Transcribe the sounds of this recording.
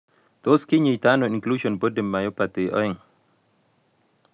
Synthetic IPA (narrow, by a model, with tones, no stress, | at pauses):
t̪o˦ski˦ɲi˨t̪a˦noi˨ŋklu˦ʃɔnbo˦dɛ˨mːa˨jo˦pat̪e˨ʔɔ̰˦ɛ˦ŋ